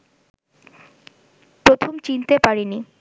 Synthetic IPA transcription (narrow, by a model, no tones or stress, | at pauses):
pɾot̪ʰomt͡ɕint̪epaɾini